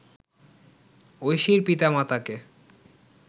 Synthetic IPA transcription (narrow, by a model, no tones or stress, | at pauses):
ojʃiɾpit̪amat̪ake